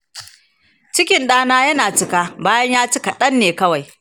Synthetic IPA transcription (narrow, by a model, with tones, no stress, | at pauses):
t͡ʃɪ˦kʲɪ˨nɗaː˦naː˦jɐ˦naː˨t͡ʃɪ˦kaː˦baː˦jɐ˦ɲjaː˦t͡ʃɪ˦ka˨ɗɐ˦nːeː˨kɐ˦wa˨j